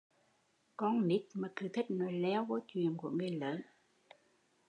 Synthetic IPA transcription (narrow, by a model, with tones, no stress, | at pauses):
kɔ˧nni˦˥t̚maː˨˩t̪ʰɨ˨˧˩t̪ʰï˦˥k̟̚nɔ˨˦jlɛ˨˧˦wkɔ˨˦t͡ɕwḭ˨ənku˧˩əŋɨ˨˩əjləː˨˦n